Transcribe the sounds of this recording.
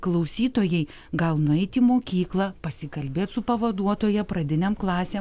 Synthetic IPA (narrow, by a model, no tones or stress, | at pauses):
klˠɐʊsʲiːt̪oːjɛɪ | ɡɐlˠnʊɛɪt̪ʲiːmoːkʲiːklˠɐpɐsʲɪkɐlʲbʲeːt̪sʊpɐʋɐd̪uɔt̪oːjɛpɾɐd̪ʲɪnʲɛmklˠɑːsʲeː